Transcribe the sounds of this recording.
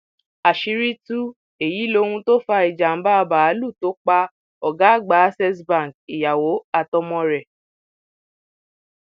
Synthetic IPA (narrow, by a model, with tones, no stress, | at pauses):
a˨ʃi˧ɾi˦tu˦ | e˨ji˨˦lo˧˦hũ˧to˦fa˧i˨d͡ʒa˨m̩˦ba˦˧ba˨a˨˦lu˦˨to˦k͡pa˧ | ɔ˨ɡa˨˦˨ɡ͡ba˨˦sɛ˦s̬bã˦˨ki˨ja˨wo˨˦a˧tɔ˧mɔ̃˧ɾɛ˨